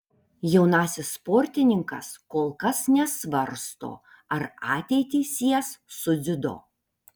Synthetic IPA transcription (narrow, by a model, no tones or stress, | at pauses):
jɛʊnɑːsʲɪsːpoːɾʲt̪ʲɪnʲɪŋkɐ̰skoːlˠkɐsnʲɛsʋɐɾst̪o̰ː | ɐɾɑːt̪ʲɛɪt̪ʲiːsʲiɛsːʊzʲɪd̪o̰ː